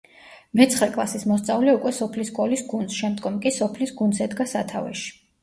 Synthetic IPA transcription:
mɛt̪sʰχlɛkʼlˠasismɔst̪sʼavlɛukʼwɛsɔpʰliskʼɔlisɡund̪sʃɛmd̪ɡɔmkʼisɔpʰlisɡunsɛd̪ɡasat̪ʰa̰vɛ̰ʃi̥

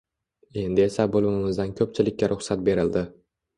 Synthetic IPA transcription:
e̞nd̪ɪe̞sabolˠɪmɪmɪzd̪ankʲʰɵp̚t͡ʃʰɪlɪkʲːaɾʔʊχsat̪̚be̞ɾɪld̪ɪ

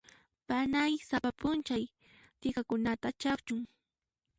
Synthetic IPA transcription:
panajsapapʊnt͡ʃaj | t̪ɪkakʊnat̪at͡ʃakt͡ʃʊŋ

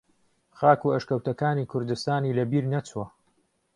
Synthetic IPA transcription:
χaːkuɐʃkɐwt̪ɐkaːniːkʰʊɾd̪ɨst̪aːniːlɐbiːɾnɐt͡swɐ

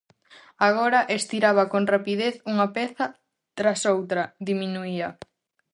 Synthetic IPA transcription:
aɣ̞oɾɐʔest̪iɾaβɐkonrapiðeθuŋapɛθɐ | t̪ɾasowt̪ɾɐðimĩnuiɐ

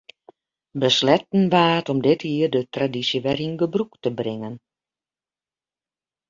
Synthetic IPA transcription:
bəslɛt̚n̩ʋaːətɔmdɪthiːərdətradisjəʋɛrinɡəbruktəbrɪŋən

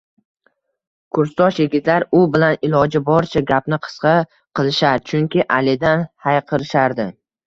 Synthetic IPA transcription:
kʰʊɾst̪ɒʃjeɡʲɪt̪laɾʊbɪlanɪlˠɒd͡ʒɪbɒɾt͡ʃʰaɡʲapnɪqʰɨ̥sqɑ | qʰɨlˠɪʃaɾt͡ʃʰʊŋkʲɪʔalɪd̪anhajqʰɨɾɪʃaɾd̪ɪ

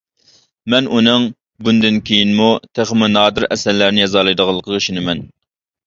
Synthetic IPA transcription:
mɛnʔunɨŋ | bund̪ɪnkʲʰejinmut̪ʰeχəmɪnɑːd̪ɨɾɛsæɾlæɾnɪjɑzɑlˠɨjd̪əʁɑlˠːəqʰəəʃinɨmɛn

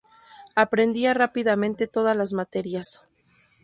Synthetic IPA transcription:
apɾe̞nd̪iarapiðamẽ̞nt̪e̞t̪o̞ð̞alazmat̪e̞ɾjas

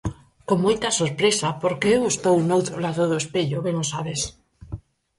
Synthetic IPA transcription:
koŋmojt̪asoɾpɾesapoɾkeewest̪ownowt̪ɾolaðoðoespeʎoβenosaβes

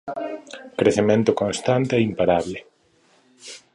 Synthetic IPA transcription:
kɾeθemẽnt̪ʊkõnst̪ant̪eɛimpaɾaβle

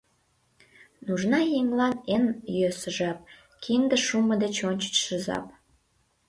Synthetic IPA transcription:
nuʒnɑjeŋlɑnenjøsəʒɑp̚ | kʰind̪əʃuməd̪et͡ɕonʲt͡ɕə̥t͡ɕʃəzɑ̰p̚

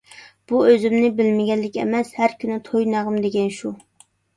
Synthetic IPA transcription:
b̥uøzymnɪbɪlmɪɡʲɛlːɪkʲɛ̰mɛshæɾkʲʰynɪt̪ʰojnɑʁəmd̪eɡʲɛnʃu

